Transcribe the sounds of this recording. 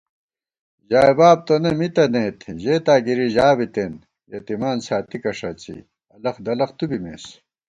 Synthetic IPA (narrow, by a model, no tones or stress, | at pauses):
ʑaːjbaːb̚t̪onemit̪ɐneːt̪ʑeːt̪aːɡiɾiʑaːbit̪en | jɐt̪imaːnsaːt̪ikɐʂɐt͡sḭ | ɐlɐxd̪ɐlɐχt̪ubimḛːs